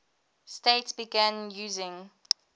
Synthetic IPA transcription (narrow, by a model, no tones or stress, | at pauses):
steɪtsb̥iɡæ̃njuːzɪ̃ŋ